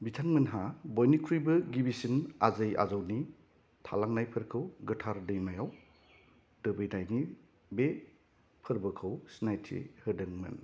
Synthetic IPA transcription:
bitʰaŋmɯnɦabɔjnikʰɾujbɯɡibisina̰zɯja̰zawni | tʰa̰laŋnajpʰɯɾkʰɯwɡɯtʰaɾdɯjmajaw | d̥ɯbɯjnajni | be | pʰɯɾbɯkʰɯwsinajtʰḛhɯdɯŋmɯ̰n

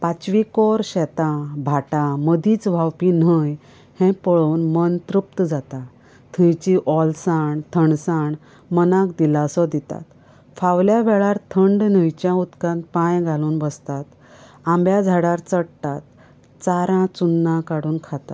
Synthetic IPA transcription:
pat͡ɕʋikɔɾɕɛt̪ãbʱaʈãməd̪iːt͡sʋʱawpinəj | hɛ̃pəɭoːnmənt̪ɾup̚t̪d͡zat̪a | t̪ʰə̃jt͡ɕiʔɔlsaɳt̪ʰəɳsaɳ | mənãkd̪ilasɔd̪it̪a̰t̪ | fawljaʋɛɭaɾt̪ʰəɳɖnəjt͡ɕjãut̪kãn̚pãjɡʱaluːnbəst̪at̪ | ãmbjad͡zʱaɽaɾt͡səɽt̪at̪̚ | t͡saɾãt͡sunːãkaɽuːnkʰat̪a

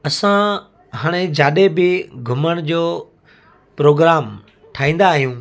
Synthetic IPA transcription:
ɐsã | ɦaːɽ̃ed͡ʑaːɗebɪɡʱʊməɽ̃d͡ʑoː | pɾoːɡɾaːm | ʈʰaːɦĩːn̆d̪aːɦijũː

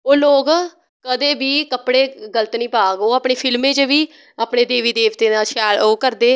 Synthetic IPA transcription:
oːloːɡ | kəd̪eːbiːkəpɽeːɡələt̪nĩːpaːɡoːəːpɳeːpʰɪlmẽːt͡ʃʋiː | aːpneːd̪eːʋiːd̪eːʋt̪eːnaːʃɛːloːkəɾd̪eː

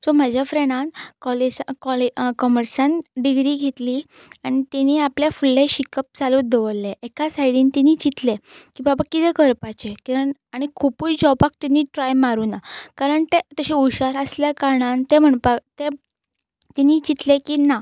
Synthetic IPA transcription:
sɔm̤ad͡ʑʱjafɾeɽ̃ãnkɔleskɔlekɔməɾsãnɖiɡɾiːɡʱet̪liː | aɽ̃it̪iniːapljafulːẽɕikəp̚t͡salud̪eʋəlːeʔekasajɽiːnt̪iniːt͡ɕit̪lekĩʋbabakit̪ɛkəɾpat͡ɕekiəaɽ̃ikʰupujd͡ʑɔpak̚t̪iniʈɾajmaɾuːnakaɾəɳt̪et̪əɕiuɕaɾəsljakaɾɳant̪em̤əɳpat̪e | t̪iniːt͡ɕit̪lekiːna

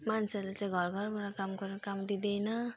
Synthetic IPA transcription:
manselaseɡʱɔɾɡʱɔɾbaɾakamkɔɾikamd̪id̪ejna

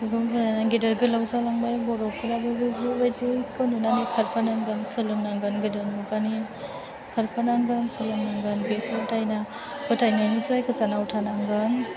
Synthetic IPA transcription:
uɾɔmbɯɾanaɡidəɾɡɯlawzalaŋbajbɔɾɔkʰɯɾabɯɡɯɡɯbajdikɯnunanikʰaɾpʰanaŋɡɯnsɯlɯnːaŋɡɯnɡɯdanmuɡani | kʰaɾpʰanaŋɡɯnsɯlɯnːaŋɡɯnbepʰatajna | bɯtʰajnajnipʰɯɾajkɯzanautʰanaŋɡɯn

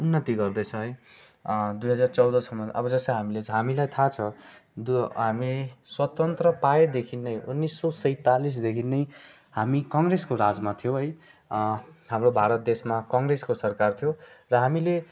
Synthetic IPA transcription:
unːʌt̪iɡʌrd̪ʌjt͡sʰʌ̃ɦʌj | d̪ujɦʌd͡zart͡sʌwd̪ʌsʰʌmːʌʔʌ̰bʌd͡zʌsʌjɦamilet͡sɦamilajt̪ʰat͡sʰʌ̃d̪ɦamiswʌt̪ʌnt̪rʌpaed̪ekʰinːʌjunːisːʌsʌjt̪alis̬d̪ekʰinːʌj | hamikʌŋreskoɾad͡zmat̪ʰijõɦʌj | ɦamrobʱaɾʌt̪̚d̪esmakʌŋɡreskosʌrkart̪ʰijorʌɦamile

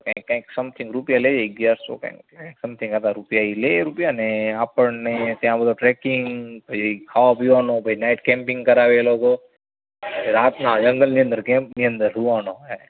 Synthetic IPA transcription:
kãkːaĩksɐmt̪ʰĩŋɡɾupjaleːd͡ʒeɡjaːɾso̰ka̰ĩãksɐmt̪ʰĩŋɡat̪aɾupjaileɾupijaneapəɳnet̪jãbəd̪oʈɾɛkɪŋbɐikʰaːapiaːnobəinaːɪʈkẽːmpĩŋɡkɐɾaːʋeloːko | ɾaːt̪nãd͡ʒɐ̃ŋɡəlnijə̃nd̪əɾkẽːmpnijə̃nd̪əɾɦuaːnoɛ

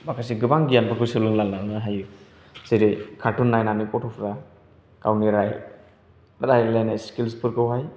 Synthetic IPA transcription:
makʰas̬iɡɯbaŋɡijanbɯkʰɯjsɯlɯŋlalnanaɦaju | sijɾikʰaɾtunːajnamnipɔtʰɔpʰɾa | kawniɾaj | ɾajlajnajskilspɯɾkɯwɦaj

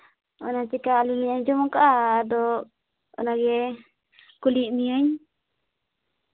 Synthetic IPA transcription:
ɔnatikaːlumiəɲd͡ʒɔmɔkaʔaːdɔ | ɔ̰naɡɛ | kuliʔmiəɲ

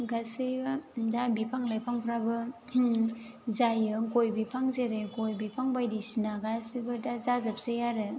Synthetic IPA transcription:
ɡasibadabipʰaŋlajpʰaŋpʰɾabɯ | zajɯkojbipʰaŋzeɾeɡojbipʰaŋbajdisinaɡasibadazazap̚sejaɾɯ

